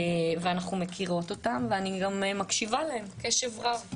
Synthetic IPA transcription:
veanaχnumekʰiʁo̞to̞tamveaniɡammakʃivaleemke̞ʃevʁav

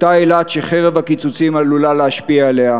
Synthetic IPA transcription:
t̪aelat̪ʃeχeʁevhakit͡sut͡simalulaleaʃpiaele̞a

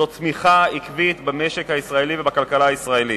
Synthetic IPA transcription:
otmiχaikvit̪bameʃe̞khaisʁaelivebakalkalaːisʁae̞li

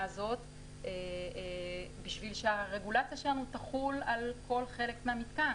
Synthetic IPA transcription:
zo̞t̪ | e | biʃvilʃeaʁe̞ɡulat͡sjaʃe̞lanutaχulalkʰo̞lχe̞le̞kmeamit̪ka

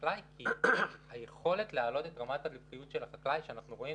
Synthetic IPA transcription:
lajkihajeχo̞le̞tlealo̞tet̪ʁamat̪alifχijut̪ʃe̞laχaklajʃeanaχnuʁo̞i

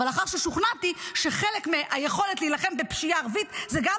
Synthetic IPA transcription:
alaχaʁʃeʃuχnatiʃe̞χe̞lekmeʔaje̞χo̞le̞tlejilaχe̞mbepʃijaːʁvitzeɡam

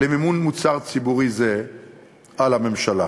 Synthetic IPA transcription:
emimunmut͡saʁt͡sibuʁize | alhame̞mʃala

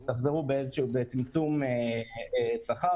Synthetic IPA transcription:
t̪aχzeʁubeezeʃubet͡simt͡sumeesaχa

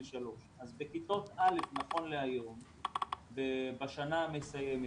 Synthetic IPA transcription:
ʃalo̞ʃazbekit̪o̞t̪alefnaχo̞nleajo̞m | vebaʃanamesajeme

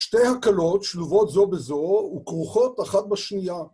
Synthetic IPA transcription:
ʃte̞jhakalo̞tʃluvotzo̞bezoukʁuχo̞taχat̚baʃnija

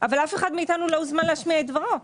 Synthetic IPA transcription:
ʔavalafe̞χad̪miit̪anulozmanleaʃmiaet̪̚dvaʁo

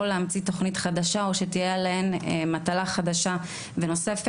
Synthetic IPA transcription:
oleamt͡sito̞χnitχadaʃao̞ʃetijealahenemat̪alaχadaʃa | veno̞se̞f

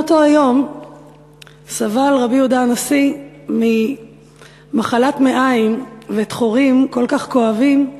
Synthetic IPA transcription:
otoajo̞m | savalʁabiudanasi | mi | maχalatme̞ʔaimvet̪χoʁimko̞lkaχko̞avim

